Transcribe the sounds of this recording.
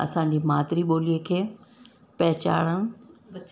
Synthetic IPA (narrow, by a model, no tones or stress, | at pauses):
ɐ̰sãːɲ̆d͡ʑiːmaːt̪ɪɾiɓoːliekʰeː | pɛɦt͡ɕa̰ːɽəɽ̃